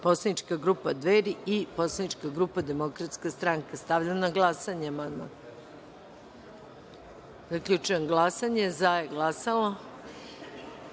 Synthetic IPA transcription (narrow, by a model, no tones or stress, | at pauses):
po̞slˠanit͡ʃkaɡɾupad̪ʋeɾiiposlˠanit͡ʃkaɡɾupad̪e̞mo̞kɾat̪skast̪ɾaŋkast̪aʋʎanaɡlˠasaɲemanma̰ | zakʎʲut͡ʃujenɡlˠasaɲezajeɡlasalˠo